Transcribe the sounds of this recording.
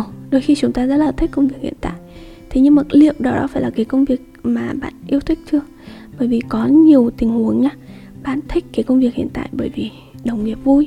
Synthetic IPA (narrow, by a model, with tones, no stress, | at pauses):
ɗo˧˩jxi˧t͡ɕʊ˨˦ŋ͡mt̪aː˧zə̰˦˥laː˨˩t̪ʰi˦˥kə˧wŋ͡mvi˨˩ək̚hḭ˧˨ənt̪a̰ː˧˨j | t̪ʰe˨˦ɲɨ˧ŋmə˨˩tlḭ˧˨əwɗɔ˨˦ɗɔ̰˨˦faː˧˩laː˨˩kaː˨˦jkə˧wŋ͡mvi˨˩ək̚maː˨˩ɓa̰ː˧˨nʔi˧əwt̪ʰï˦˥k̟̚t͡ɕɨ˧ə | ɓəː˧˩jvi˨˩kɔ˨˦ɲi˨˩əwt̪ï˨˩ŋ̟hu˨˦əŋɲaː˧˦ | ɓa̰ː˧˨nt̪ʰï˦˥k̟̚kaː˨˦jkə˧wŋ͡mvi˨˩ək̚hḭ˧˨ənt̪a̰ː˧˨jɓəː˧˩jvi˨˩ | ɗə˨˩wŋ͡mŋi˨˩əp̚vu˧j